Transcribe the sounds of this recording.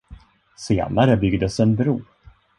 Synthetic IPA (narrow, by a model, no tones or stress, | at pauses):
sḛːnaɾəbʏɡd̪əsɛnbɾuː